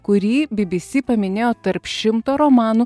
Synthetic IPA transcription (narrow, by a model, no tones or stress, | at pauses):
kʊɾʲiːbʲɪbʲɪsʲiːpɐmʲɪnʲeːjoːt̪ɐɾpʃʃʲɪmt̪oːɾɔmɑːnuː